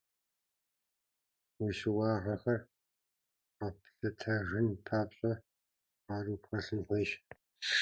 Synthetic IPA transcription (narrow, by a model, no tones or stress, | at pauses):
weʃɪwɑːħɐxɐr | apʰɬɐtʰɐʒɪnpʰaːpɕʼɐ | aːrupxɐsɨnħʷeːʃ